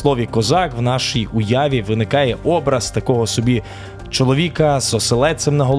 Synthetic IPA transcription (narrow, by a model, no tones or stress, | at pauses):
lˠɔʋʲikɔzɑkwnɑʃijʊjɑʋʲiʋɪnɪkɑjɛʔɔbɾɐzt̪ɐkɔɦɔsɔbʲi | t͡ʃɔlˠɔʋʲikɐzɔselˠɛsʲemnɐɦɔlˠ